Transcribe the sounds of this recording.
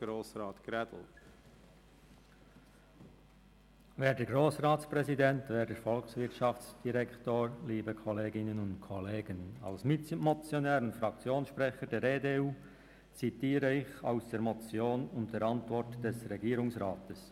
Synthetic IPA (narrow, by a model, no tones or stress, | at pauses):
ɾoːsɾɑːt̪kɾɛdl̩t | vɛːɾdɛɡɾoːsrɑːtt͡spɾɛzidɛntvɛːɾdəɾfɔlksvɪɾtʃɑft͡sd̥iɾɛktoːɹliːbəkʰɔleːɡɪnənʊntkʰɔleːɡənɑ̰lsmɪmɔt͡sjonɛːɾənfɾɑkt͡sjoːnsʃpɾɛχədɛːɾeːdeːuː | t͡sitiːɾəɪça̰ʊsd̥ɛːɾmɔt͡sjoːnʊntd̥ɛːɾɑntvɔɾtd̥ɛsɾɛɡiːɾʊŋsɾaːtəs